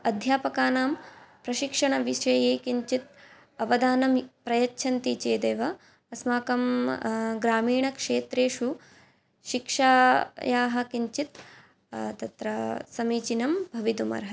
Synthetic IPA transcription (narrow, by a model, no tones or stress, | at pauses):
ɐd̪ʱjaːpɐkaːnaːmpɾɐʃikʂɐɳɐʋiʃɐjeːkiɲt͡ʃit̪̚ | ɐʋɐd̪aːnɐmpɾɐjɐtːt͡ʃʰɐnt̪it͡ʃeːd̪eːʋɐ | ɐsmaːkɐm | ɡɾaːmiːɳɐkʂeːt̪ɾeːʃu | ʃikʂaːjaːɦɐkiɲt͡ʃit̪ | t̪ɐt̪ɾɐsɐmiːt͡ʃinɐmbʱɐʋid̪umɐ̰ɾɦɐ